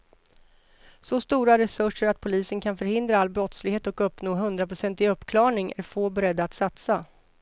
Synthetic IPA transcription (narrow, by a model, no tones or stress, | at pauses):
sɔst̪uːɾaɾɛsɵʂəɾat̪̚pʰʊliːsənkʰanfœɾhɪnd̪ɾaalːbɾɔt̪slɪɡheːt̪ɔkɵpːnoːɦɵnd̪ɾapʰɾʊsɛnt̪ɪɵpːkʰlɑːɳɪŋʔæ̰ɾfoːbɛɾɛd̪ːaːt̪sat̪sa